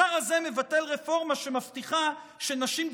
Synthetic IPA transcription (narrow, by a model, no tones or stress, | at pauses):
aʁaze̞me̞vate̞lʁe̞fo̞ʁmaʃemaftiχa | ʃe̞naʃim